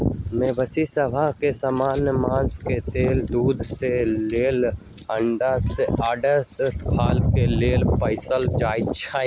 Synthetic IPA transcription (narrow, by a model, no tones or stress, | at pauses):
mẽːbəsisəbʱaɦkesəmaːnjəmãːsket̪eːld̪uːd̪ʱseleːl | əɳɖaseʔaːɖəst̪kʰaːlkeleːlpəɪsəld͡ʒaːit͡ʃʰaː